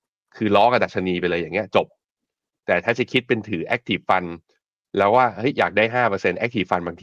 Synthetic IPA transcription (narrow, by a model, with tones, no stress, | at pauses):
kʰɯː˧lɔː˦˥ka˧˩da˨˩t̪̚t͡ɕʰa˧niː˧pe˧nlɤː˧ja˨˩ŋːi˦˥ɐt͡ɕo˨˩p̚ | t̪ɛː˨˩t̪ʰaː˥˩t͡ɕa˨˩kʰi˦˥t̪̚pe˧nt̪ʰɯː˩˦ʔɛ˦˥k̚t̪ʰiː˨˩pfa˧n | lɛː˦˥waː˥˩hɤ˦˥jːaː˨˩k̚daː˥˩jɦaː˥˩pɤː˧se˧nʔɛ˦˥t̪ʰiː˨˩fa˧nbaː˧ŋt̪ʰi˧